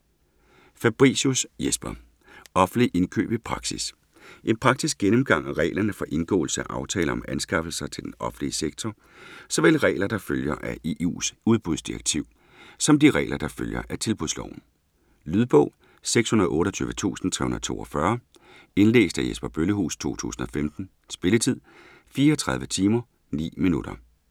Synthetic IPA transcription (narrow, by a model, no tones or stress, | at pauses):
fæb̥ʁḭːsusjesb̥ɐ | ɒ̽fn̩liʔe̝nkʰø̰ːb̥ipʰʁɑ̈ɡ̥sis | ʔe̝npʰʁɑ̈ɡ̥̚sisɡ̥enəmɡ̥ɑ̈ŋ̰æʁɛ̰ɪlɐnəfɒ̽ʔe̝nɡ̥ɔ̰ːl̩səæʔɑ̈ʊt͡sʰɛːlɐɒ̽mænsɡ̥ɑ̈fl̩sɐt͡sʰe̝ldenɒ̽fn̩liəseɡ̥̚t͡sʰɒ | sɒ̽ʋelʁɛ̰ːɪlɐd̥ɑ̈føljɐʔæʔeṵːsuð̞ˠb̥uðˠsd̥iʁɐ̰ɡ̥̚t͡sʰiʊ̰ | sɒ̽md̥iʁɛ̰ːlʔɐd̥ɑ̈føljɐ̰ʔæt͡sʰe̝lb̥uðˠslɒʊn̩ | lyðˠb̥ɔ̽ʊ̰ | seɡ̥shunɐðˠʔɔ̽ːɾɒt͡sʰy̰ːʋət͡sʰṵːsn̩t͡sʰɛ̰ːhunɐð̩ˠt͡sʰo̝̰ːɒfɶɐ | e̝nle̝̰ːsd̥æjesb̥ɐb̥øləɦṵːst͡sʰo̝̰ːt͡sʰṵːsn̩ɒ̽femd̥n̩ | sb̥e̝lət͡sʰið̞̰ˠ | fiːɐːt͡sʰʁɑ̈ð̞ˠʋət͡sʰiːmɐ | nḭːminud̥ɐ